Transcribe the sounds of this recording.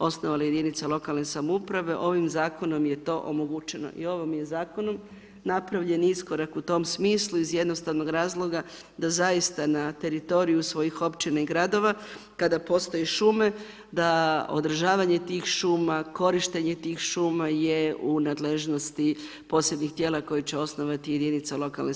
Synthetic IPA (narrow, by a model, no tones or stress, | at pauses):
o̞sno̞ʋalaje̞d̪init̪salˠo̞kalne̞samoupɾaʋe̞ʔo̞ʋimzaːko̞no̞mje̞t̪o̞ʔo̰moɡut͡ʃe̞no̞̰ʔḭo̞ʋomje̞zaːko̞no̞m | napɾaʋʎe̞niisko̞ɾakut̪o̞msmiːslˠuizje̞d̪no̞st̪aʋno̞ɡɾaːzlˠo̞ɡa | d̪azajist̪anat̪e̞ɾit̪o̞ɾijusʋo̞jixo̞pt͡ʃinaiɡɾad̪o̞ʋa | kad̪apo̞st̪o̞jeʃuːme̞ | d̪ao̞̰d̪ɾr̩ʒaːʋaɲe̞t̪iːxʃuːmako̞ɾiʃt̪eɲe̞t̪iːxʃuːmaje̞unaːd̪leʒno̞st̪i | po̞sed̪ɲixt̪je̞ːlˠako̞jit͡ɕeo̞sno̞ʋat̪ije̞d̪init̪salˠo̞kalne